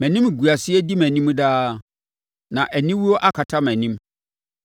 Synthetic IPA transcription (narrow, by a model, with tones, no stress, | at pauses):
mæ̃˨nĩ˦m˨ɡu˨a˨sɪ˦ɛ˦di˦mæ̃˨nĩ˦m˦daː˦ | nã˨ʔæ˨nĩ˦wu˦wɔ˦ʔa˦kʰa˨tʰa˦mæ̃˨nĩ˦m